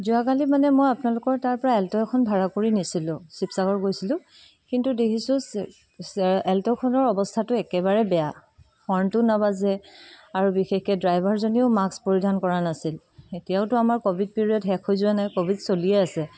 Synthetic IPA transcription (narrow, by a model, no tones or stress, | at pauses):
zuakalimanɛmojapnalʊkɔɹtaɹpɔɹaɛltɔkʰɔnbʱaɹakoɹinisilʊ̃sipsaɡɔɹɡojsilʊ̃ | kintudekʰisʊ̃s | sɛltɔkʰɔnɔɹɔbɔstʰatʊɛkɛbaɹɛbɛja | xɔɹntʊnabazɛaɹubixexkɛdɹajbʱaɹzonioʊmakspoɹidʱankɔɹanasil | etijaʊtʊamaɹkobʱid̚piɹiɔdɦɛkʰojzʊanajkobʱidsolijɛasɛ